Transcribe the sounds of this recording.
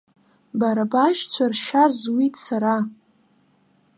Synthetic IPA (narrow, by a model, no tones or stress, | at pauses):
baɾabaʒt͡sʷʰarʃazwit͡sʰaɾa